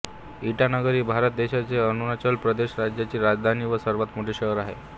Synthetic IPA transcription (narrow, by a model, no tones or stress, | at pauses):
iʈanəɡəɾiːbʱaɾət̪̚d̪eɕat͡seənunat͡ɕəlpɾəd̪eɕɾad͡ʑjat͡ɕiːɾad͡ʑd̪ʱaniːʋəsəɾʋat̪moʈʰeɕəəɾaɦḛ